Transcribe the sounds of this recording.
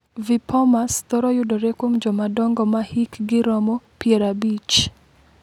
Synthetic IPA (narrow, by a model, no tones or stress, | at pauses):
vipʰɔmast̪ɔɾɔjʊdoɾekwomd͡ʒɔmadɔŋɡɔmahikɡɪɾɔmɔpjeɾabit͡ʃ